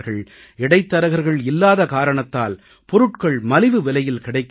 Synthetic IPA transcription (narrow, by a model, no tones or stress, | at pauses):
ɣɐɭ | ɛɽɐɪt̪ːɐɾɐɣɐɾɣɐɭɪlːaːðɐkaːɾɐɳɐt̪ːa̰ːl | pɔɾɯʈkɐɭmɐlɪʋɯʋɛlɐjɪlkɪɽɐɪkː